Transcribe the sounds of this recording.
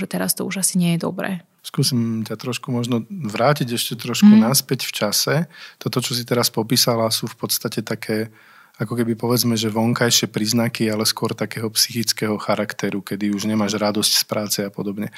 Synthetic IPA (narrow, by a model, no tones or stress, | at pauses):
ʒɛt̪ɛɾa̰st̪ɔuʒasiɲɪɛjɛd̪ɔ̰bɾɛ̰ː | skuːsimcat̪ɾɔʃkumɔʒnɔʋɾaːciɟɛʃcɛt̪ɾɔʃkunaspɛcft͡ʃasɛt̪ɔt̪ɔt͡ʃɔsit̪ɛɾaspɔpiːsalasuːfpɔt̪st̪acɛt̪akʰɛː | akɔkɛbipɔʋɛd͡zmɛʒɛʋɔŋkajʃɪɛpɾiːznakialɛskʊɔɾt̪akɛːɦɔpsixit͡skɛɦɔxaɾakt̪ɛɾukɛd̪iuʒɲɛmaːʒɾad̪ɔscspɾaːt͡sɛapɔd̪ɔbɲɛ